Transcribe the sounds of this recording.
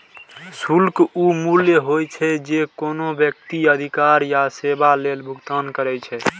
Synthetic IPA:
sulkumuljəɦojt͡ʃʰɛd͡ʒekonobjək̚t̪iəd̪ʱikaɾjasebalelbʱuɡt̪ankəɾɛt͡ʃʰɛ

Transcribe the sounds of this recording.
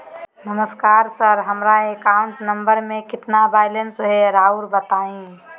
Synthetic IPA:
nəməskaɾsəɾɦəmɾaekauɳʈnəmbəɾmẽkɪt̪nabajlensɦeɾauɾbət̪aĩ

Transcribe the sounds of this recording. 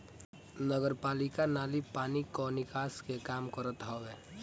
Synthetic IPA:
nəɡəɾpaːlɪkanaːlipaːnikonɪkaːskekaːmkəɾət̪ɦɔːɡɛː

